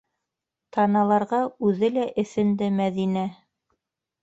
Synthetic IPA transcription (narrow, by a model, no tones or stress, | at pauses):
t̪ʰɑnɑlˠɑɾʁɑʉðɘlæʔɘ̆θɘ̆nd̪ɘmæðinæ